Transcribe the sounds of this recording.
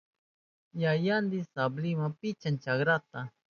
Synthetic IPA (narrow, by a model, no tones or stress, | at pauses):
jajand̪ɪsablɪmapɪt͡ʃant͡ʃaɡɾat̪a